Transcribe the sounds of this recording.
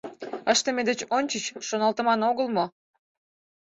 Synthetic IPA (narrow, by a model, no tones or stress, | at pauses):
əʃt̪əmed̪et͡ɕonʲt͡ɕət͡ɕʃonɑlt̪ə̆mɑnoɣəlmo